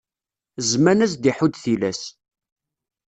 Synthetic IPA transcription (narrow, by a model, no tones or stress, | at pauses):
zmænæs̬d̪iħud̪θilæs